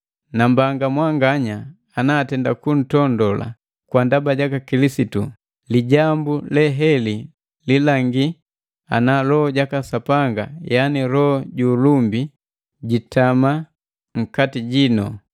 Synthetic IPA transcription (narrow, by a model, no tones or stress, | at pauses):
nambaŋɡamwaŋɡaɲaː | naːtɛndakun̩tɔndɔla̰ | kwandabaɟakakilisitu | liɟambulɛɦɛli | lilaŋɡi | analɔɔɟakasapaŋɡa̰janiɾɔɟulumbi | ɟitama | ŋ̩katiɟinɔ̰